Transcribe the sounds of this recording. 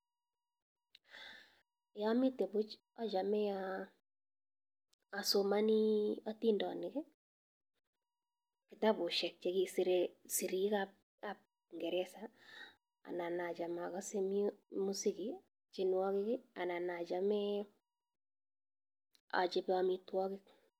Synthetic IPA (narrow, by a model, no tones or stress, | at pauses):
jamɪtebʊt͡ʃ | at͡ʃamɛa | somaniatindɔ̰nɪkɛ | kɪtapʊʃɛk̚t͡ʃekisiɾesiɾikap̚ | kap̚ | ŋɡɛɾɛsa | a̰nanad͡ʒamakasemimusikɪ | t͡ʃɪnwɔkɪkɪananad͡ʒamɛ | a̰t͡ʃɪpamitwɔkɪk̚